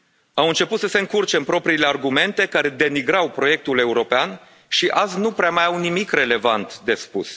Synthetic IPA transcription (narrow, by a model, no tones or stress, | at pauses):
awɨnt͡ʃe̞put̪səse̞ɨŋkurt͡ʃe̞mpɾo̞pɾiːlearɡume̞nt̪e̞kaɾe̞d̪e̞niɡɾawpɾo̞je̞k̚t̪ule̞uɾo̞pean | ʃiʔaznupɾeamajawnimikre̞le̞vant̪d̪e̞spṵs